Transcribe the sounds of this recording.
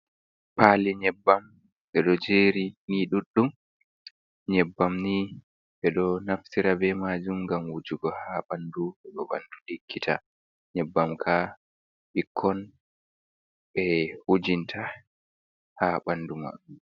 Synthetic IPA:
paliɲɛbːam | ɗɛɗɔd͡ʒeːɾiniɗuɗːum | ɲɛbːamni | ɓɛɗɔnaftiɾabɛmad͡ʒumɡamwud͡ʒuɡɔhaːɓanduɓɛɗɔbanduɗikʰːitʰa̰ | ɲɛbːamkʰa | ɓikʰːɔn | ɓɛhud͡ʒintʰa | haːɓanduma̰ɗu

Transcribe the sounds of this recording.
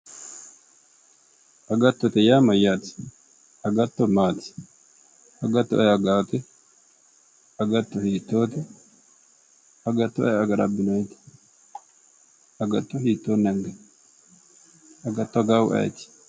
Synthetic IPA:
ʔɐɡɐt̪ːɔt̪ɛjaːmɐjːaːt̪ɪ̥ | ɐɡɐt̪ːɔmaːt̪ɪ̥ | ɐɡɐt̪ːɔʔɛjɐɡaːt̪ɛ | ɐɡɐt̪ːɔhiːt̪ːoːt̪ɛ | ɐɡɐt̪ːɔʔɐjɐɡɐɾɐ̰bːɪnɔjt̪ɛ̥ | ɐɡɐt̪ːɔhiːt̪ːoːnːɐŋɡɐ | ɐɡɐt̪ːɔɐɡaːw̰ʔɐ̰j̰t̪ɪ̥

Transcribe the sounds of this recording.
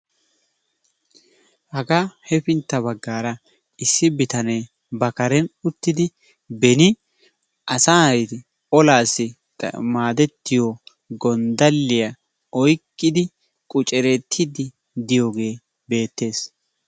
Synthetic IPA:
hɐɡahɛfɪnt̪ːɐbɐɡːaːɾɐ | ɪsːɪbɪt̪ɐneː | bɐkɐɾɛnʊt̪ːɪd̪ɪ | bɛnɪ | ʔɐsaːt̪ɪ | ɔlaːsːɪ | maːd̪ɛt̪ːɪjo | ɡɔnd̪ɐlːɪjɐ | ɔjkʼːɪd̪ɪ | kʼʊt͡ʃʼɛɾɛt̪ʰːɪd̪ɪ | d̪ɪjoːɡe̞ː | be̞ːt̪ːe̞ːs

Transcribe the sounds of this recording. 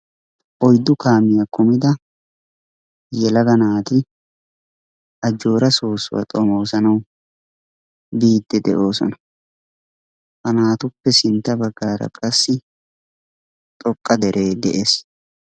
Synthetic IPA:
ʔɔjd̪ːʊkaːmɪjɐkʊmɪd̪ɐ | jɛlɐɡɐnaːt̪ɪ | ʔɐd͡ʒːo̞ːɾɐso̞ːsʊ̰wɐ̰t̪ʼɔmoːsɐnɐw | biːd̪ːɛd̪ɛʔo̞ːsɔ̰nɐ | hɐnaːt̪ʊpːɛsɪnt̪ːɐbɐɡːaːɾɐ̰kʼɐsːɪ | t̪ʼɔkʼːɐd̪ɛɾʔe̞ːd̪ɛʔe̞ːs

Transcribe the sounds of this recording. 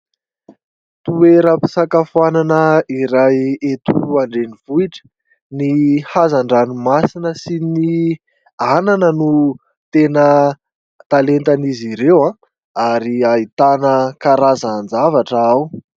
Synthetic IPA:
t̪ueɾəpi̥sakafananəiɾajet̪uaɳɖ͡ʐeniv̥uiʈ͡ʂə̥ | nihazaɳɖ͡ʐanumasinəsini | ananənu | t̪enə | t̪alent̪aniziɾewã | aɾiait̪anəkaɾazaːnd͡zavaʈ͡ʂəaw

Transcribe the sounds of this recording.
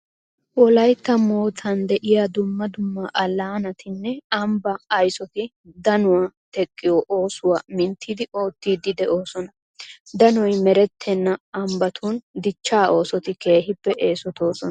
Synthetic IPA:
ʔɔlɐjt̪ːɐmo̞ːt̪ʰɐnd̪ɛʔɪjad̪ʊmːɐd̪ʊmːɐʔɐlːaːnɐt̪ɪnːɛɐmbɐːjsɔt̪ɪ | d̪ɐnʊwat̪ɛkʼːɪjoʔo̞ːsʊwamɪnt̪ʰːiːd̪ɪʔoːt̪ːiːd̪ɪd̪ɛʔo̞ːsɔnɐ | d̪ɐnɔjmɛɾɛt̪ʰːɛnːɐɐmbɐt̪ʰuːnd̪ɪt͡ʃːaːʔo̞ːsɔt̪ɪke̞ːɦɪpːɛʔeːsɔt̪o̞ːsɔnɐ

